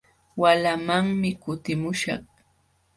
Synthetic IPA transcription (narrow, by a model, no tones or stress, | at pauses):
walamaŋmɪkʊt̪ɪmʊʃɑ̰χ